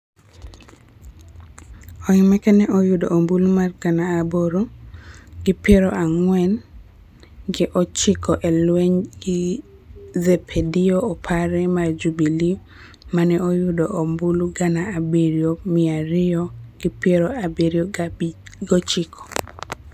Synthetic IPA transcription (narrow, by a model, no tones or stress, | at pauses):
ɔimɛkɛnɛɔjudoʔːmbulumarɡanaːboɾo | ɡɪpeɾoʔaŋwɛn | ɡɪʔɔt͡ʃɪkɔʔɛlweɲɡɪ | zepʰedioːpʰaɾɛmard͡ʒubili | manɛojudoʔombuluɡanaːbiɾjomɪaɾɪɔɡ̥ɪpeɾoabeɾio | ɡɔt͡ʃɪkʰɔ̥